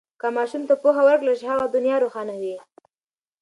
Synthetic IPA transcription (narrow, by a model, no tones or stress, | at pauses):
kamɑʃumt̪apoxawəɾklaʃhaɣad̪ʊnjɑɾoxɑnawi